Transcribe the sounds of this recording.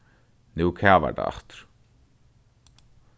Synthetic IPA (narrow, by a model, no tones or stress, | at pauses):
nuːkʰaːva̰ɾt̪a̰a̰ht̪ʏ̥ɾ̥